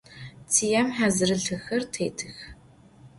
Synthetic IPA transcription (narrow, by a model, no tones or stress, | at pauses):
t͡sʰijɐmħazɨrɨɮɨxɐrtʰeːtʰɨx